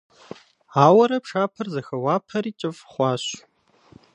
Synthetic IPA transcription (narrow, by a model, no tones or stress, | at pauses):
aːwɐɾɐpʂaːpʰɐrzɐxɐwaːpʰɐriːt͡ʃʼɪfχʷɑːɕ